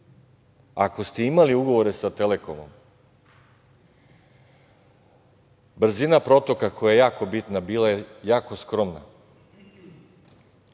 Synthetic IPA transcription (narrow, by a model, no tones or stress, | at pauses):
ako̞st̪eimaliuɡo̞ʋo̞ɾe̞sat̪eleko̞mo̰m | br̩zinapɾo̞t̪o̞kako̞jajejaːko̞bit̪nabiːlajejaːkoskɾo̞mna̰